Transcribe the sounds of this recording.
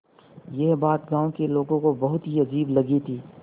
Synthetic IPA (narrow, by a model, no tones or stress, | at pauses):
jɛɦbaːt̪ɡãːõkeloːɡõkobɐɦʊt̪ɦiɐd͡ʒiːblɐɡit̪ʰiː